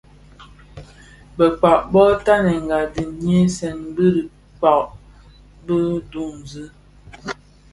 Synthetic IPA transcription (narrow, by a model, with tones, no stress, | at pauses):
bə˨k͡pa˨ʔbɔ˦ta˦nɛ˨ŋ˨ɡa˨di˨ɲje˦sɛ˨nbə˦ɾi˨ | k͡pa˨ʔ | bə˦du˦˨ŋ˨zɨ˦